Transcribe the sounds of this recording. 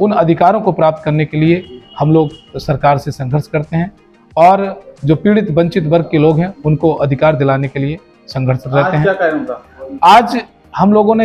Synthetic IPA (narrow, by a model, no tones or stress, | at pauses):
ʊnɐd̪ʱɪkaːɾõkopɾaːp̚t̪̚kɐɾnekeliehɐmloːɡsɐɾkaːɾsesɐ̃ŋɡʱəɾʃkɐɾt̪eɦɛ̃ | ɔːɾd͡ʒoːpiːɽɪt̪bɐ̃ɲt͡ʃɪt̪bɐɾɡ̚keloːɡɦɛ̃ʊnkoʔɐd̪ʱɪkaːɾd̪ɪlaːnekelie | sɐ̃ŋɡʱəɾʃɾɛɦt̪eɦɛ̃ | aːd͡ʒ | hɐmloːɡõnẽ